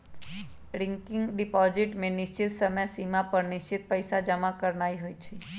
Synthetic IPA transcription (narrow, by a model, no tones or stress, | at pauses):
ɾiŋkiŋɡɖipɔziʈmẽnist͡ʃit̪səməjsimapəɾnist͡ʃit̪̚pəjsad͡ʒəmãkəɾɳajɦojt͡ʃʰe